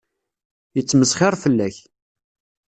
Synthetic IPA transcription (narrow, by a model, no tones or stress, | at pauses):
jət͡sːməsχɪɾˤfəlːæç